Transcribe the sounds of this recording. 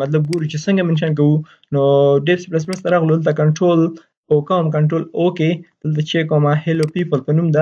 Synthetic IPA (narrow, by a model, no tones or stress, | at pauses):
mɐt̪lab̚ɡoɾut͡ʃesəŋɡamɪnʃɑnk̬awu | noɖebseplas̬wɾəst̪aɾɑɣlud̪əlt̪akaɳʈɾol | okawmkaɳʈɾoloked̪̥əlt̪at͡ʃekomahelopipəlpənumd̪a